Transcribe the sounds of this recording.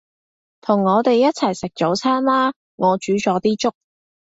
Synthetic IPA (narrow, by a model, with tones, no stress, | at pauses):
t̪ʰʊ˨˩ŋːɔː˨˧t̪e˨jːɐ˥t̚t͡sʰɐ˨˩jsɪ˨k̚t͡so˨˥wt͡sʰaː˥nlaː˥ | ŋɔː˨˧t͡ʃyː˨˥t͡sɔː˨˥t̪iː˥t͡ʃʊ˥k̚